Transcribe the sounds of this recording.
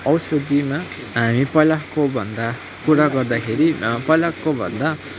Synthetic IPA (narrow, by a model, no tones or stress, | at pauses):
ʌwsʌd̪imaɦamipʌlakobʱʌnd̪a | kuɾaɡʌrd̪akʰeɾipʌlakːobʱʌ̰nd̪a